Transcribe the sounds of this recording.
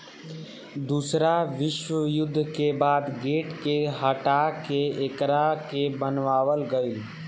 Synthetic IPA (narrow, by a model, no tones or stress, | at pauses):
d̪uːsɾaʋɪʃwəjʊd̪ʱːkebaːd̪ɡeːʈkeɦəʈakeekɾakebənʋaːʋəlɡəi